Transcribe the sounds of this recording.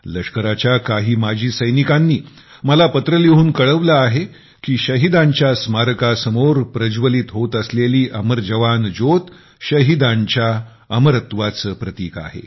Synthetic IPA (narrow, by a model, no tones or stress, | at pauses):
ləʂkəɾat͡ɕjakaɦiːmad͡ʑʱiːsəjnikanːiː | məlapət̪ɾəliɦuːnkəɭəʋlaːɦe | kiːɕəɦid̪ãɲt͡ɕjasmaɾəkasəmoɾpɾəd͡ʑʋəlit̪ɦot̪əsleliːʔəməɾd͡ʑəʋand͡zot̪ | ɕəɦid̪aɲt͡ɕja | əməɾət̪ʋat͡səːpɾət̪iːka̰ɦḛ